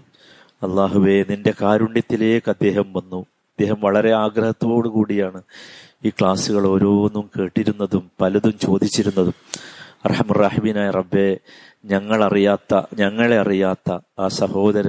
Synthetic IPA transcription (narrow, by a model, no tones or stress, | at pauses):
ɐlˠːaːɦuʋe̞ninde̞kaːɾuɳɖjɐt̪ːile̞ːkːɨɐd̪ːe̞ːɦɐmʋɐnːu | ɐd̪̥ːe̞ːɦɐmʋɐɭɐɾe̞aːɡɾɐhɐt̪ːʋo̞ːɽɨkuːɽijaːɳɨ | iːkɭaːsuɣɐɭo̞ːɾo̞ːnːumke̞ːʈːiɾunːɐðumpɐlɐðumt͡ɕo̞ːd̪it͡ɕːiɾunːɐðumɐ̰rħɐmɐrːaːħimiːnaːjirɐbːe̞ | ɲɐŋːɐɭɐrijaːt̪ːɐ̰ɲɐŋːɐɭe̞ɐrijaːt̪ːɐaːsɐho̞ːd̪ɐɾɐ